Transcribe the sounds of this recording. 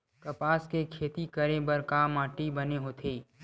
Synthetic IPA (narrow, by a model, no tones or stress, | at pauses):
kɐpaːskekʰeːt̪ikəɾebəɾkaːmãːʈibɐneɦoːt̪ʰeː